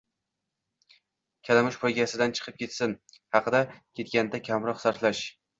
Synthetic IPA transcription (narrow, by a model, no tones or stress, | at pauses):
kʲʰalamɪʃpʰojɡʲasɪd̪ant͡ʃʰɨ̥qʰɨp̚kʲʰe̞t̪sɪn | hɑqɨd̪akʲʰe̞t̪̚kʲand̪akʲʰɒmɾɒqsaɾt̪laʃ